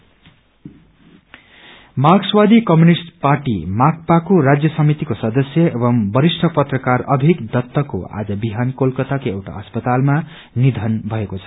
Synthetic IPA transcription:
maɡswad̪ʱikʌmjunisʈparʈḭmak̚ʰpakoɾad͡zjʌsʌmit̪ikosʌd̪ʌsjʌebʌmbʌɾisʈʰʌpʌt̪rʌkarʌbʱikd̪ʌt̪ːʌko̰a̰d͡zʌbiɦankolkʌt̪akoewʈa̰ʌspʌt̪alma | nid̪ʱʌnbʱʌekot͡sʰʌ̥

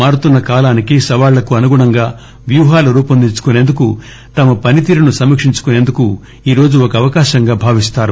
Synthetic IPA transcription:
aːɾut̪unːɐkaːlaːnikisɐʋaːɭlːɐkuɐnuɡuɳɐŋɡaː | ʋjuːɦaːlɐuɾuːpɐnd̪it͡ʃu̥kune̞ːnd̪uku | t̪ɐmɐpɐnit̪̬iːɾunusɐmikʂiɲt͡ʃu̥kune̞ːnd̪uku | iːɾo̞ːd͡ʒuɔkɐːʋɐkaːʃɐŋɡaːbʱaːʋist̪aːɾu

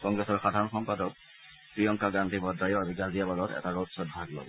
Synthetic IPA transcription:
kɔŋɡɹɛsɔɹxadʱaɹɔnxɔmpadɔk̚ | pɹijɔŋkaɡantibɔdːajɔaziɡazijabalɔtɛ̰taɹotsɔtbʱaɡlɔ̰bɔ

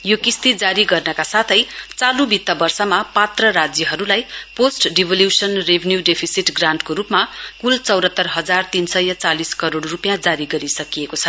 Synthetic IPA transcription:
jokist̪id͡zaɾiɡʌrnʌkasat̪ʰʌjt͡salubit̪ːʌbʌrsʌmapat̪rʌɾad͡zjʌɦʌɾulajposʈɖibʱʌljusʌnrebʱenjuɖepʰisiʈɡraɳʈkoɾupmakult͡sʌwɾʌt̪ːʌrɦʌd͡zart̪insʌjʌt͡saliskʌɾoɽrupjãd͡zaɾiɡʌɾisʌkijekot͡sʰʌ

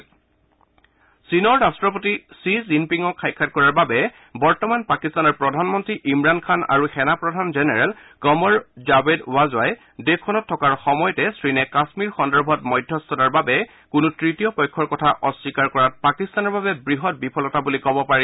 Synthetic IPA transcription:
sinɔɹɹastɹɔp̬otisɹizimpiŋɔkʰːajkʰːatkɔɹaɹbabɛ | bɔɹtɔmanpakistanɔɹpɹɔdʱanmɔntɹiʔimɹankʰana̰ɹuxɛnapɹɔdʱanzɛnɛɹɛl | kɔmɔɹzabedwazwaj | dekʰːɔnɔtʰːɔkaɹxɔmɔjɔtɛsɹinɛkasmiɹxɔndɔɹbʱɔtmɔjdʱːɔstɔtaɹbabɛ | kunutɹitijɔpɔjkʰːɔɹkɔtʰaʔɔsikaɹkɔɹat̚pakistanɔɹbabɛbɹiɦɔt̚bipʰɔlɔtabulikɔbɔpaɹi

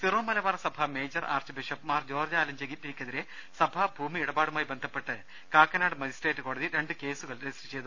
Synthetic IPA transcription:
t̪irʋɐmɐlɐʋɐːrɐsɐbʱɐme̞ːd͡ʑɐra̰ːrt͡ɕɨbiʂɐpmaːrd͡ʑo̞ːrd͡ʑaːlɐmd͡ʑeɡitːiɾikʲːɐðiɾe | sɐbʱɐbʱuːmiiɽɐbaːɽumaːjibe̞nd̪ʱɐpːe̞ʈːɨ | kaːkːɐnaːɽɨmɐd͡ʑisʈeːtːɨko̞ːɽɐðiɾe̞ɳɖɨke̞ːsuɣɐɭɾesi̥it͡ɕejt̪u

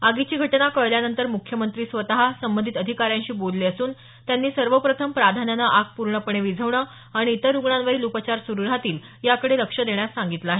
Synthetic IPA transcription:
aɡit͡ɕiːɡʱəʈnakəjljanənt̪əɾmukʰjəmənt̪ɾiːsʋət̪aɦasəmbənd̪ʱit̪əd̪ʱikaɾjãɲt͡ɕiːbod̪leəsuːn | t̪janːiːsəɾʋəpɾət̪ʰəmpɾad̪ʱanjanaʔak̚puɾɳəpəɳeʋid͡zʱəʋɳə | aɽ̃iːt̪əɾuɡɳanʋəɾiːlupət͡ɕaɾsuɾuɾat̪iːl | jakəɽeləkʂəd̪eɳjasːaŋɡit̪laaːɦe

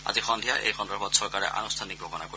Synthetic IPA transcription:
a̰zixɔnd̪ʱijaʔḛjxɔndɔbɔt̪sɔɹkaɹɛ̰ʔa̰nust̪ʰanik̚bʱoɡɔnako

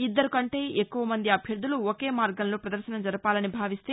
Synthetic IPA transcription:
id̪ːɐɾukɐɳʈe̞ːekːuʋɐmɐnd̪iɐbʱjɐɾd̪ʱːuluoke̞ːmaːɾɡɐmlo̞ːpɾɐd̪ɐɾʃɐnɐmd͡ʒɐɾɐpaːlɐnibʱaːʋist̪eː

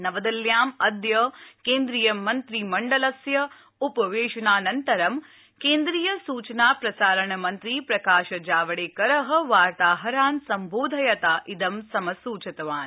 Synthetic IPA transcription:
nɐʋɐd̪ɐljaːmɐd̪jɐkeːnd̪ɾijɐmːɐnt̪ɾimɐɳɖɐlɐsjɐ | upɐʋeːʃɐɳaːnɐnt̪ɐɾɐm | keːnd̪ɾiːjɐsuːt͡ʃɐnaːpɾɐsaːɾɐɳɐmɐnt̪ɾipɾɐkaːʃɐd͡ʒaːʋɐɽeːkɐɾɐɦɐ̆ʋaːɾt̪aːɦɐɾaːnsɐmboːd̪ʱɐjɐt̪aːʔid̪ɐmsɐmɐsuːt͡ʃɐt̪ɐʋaːn

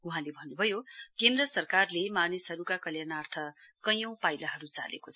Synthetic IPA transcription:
uɦãlebʱʌnːubʱʌjokend̪rʌsʌrkarlemanesɦʌɾukakʌljanart̪ʰʌkʌjʌ̃w̃pajlaɦʌɾut͡sa̰lḛkot͡sʰʌ

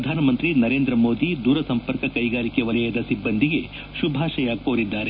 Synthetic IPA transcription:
ɐd̪ʱaːnɐmɐnt̪ɾinɐɾeːnd̪ɾɐmoːd̪id̪uːɾɐsɐmpɐɾkɐkɐjɡaːɾikeʋɐlɐjɐd̪ɐsibːɐnd̪ʱiɡe̞ | ʃubʱaːʃɐjaːk̚poːɾid̪ːaːɾe

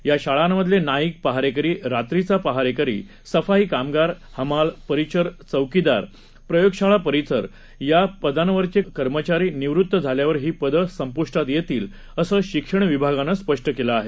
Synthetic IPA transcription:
jaɕaɭamːəd̪ʱlenaik̚pəɦaɾekəɾiːɾat̪ɾit͡sapəɦaɾekəɾḭː | səfaɦiːkamɡaɾ | həmalpəɾit͡ɕəɾt͡səwkid̪aɾ | pɾəjoɡɕaɭapəɾit͡səɾ | japəd̪ʱanəʋəɾt͡ɕekəɾmət͡ɕaɾiːniʋɾut̪ːəd͡zʱaljaʋəɾɦiːpəd̪əsəmpuʂʈat̪jet̪iːl | əsəːɕikʂəɳ̃ʋibʱaɡanəspəʂʈəkelaːɦe

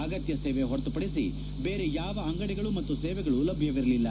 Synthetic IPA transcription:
ɐɡɐt̪jɐseːʋeɦɔɾɐt̪upɐɽisḭ | beːɾejaːʋɐːŋɡɐɽɛɡɐɭumɐt̪ːuseːʋɛɡɐɭulɐbʱjɐʋiɾɐlilːɐ

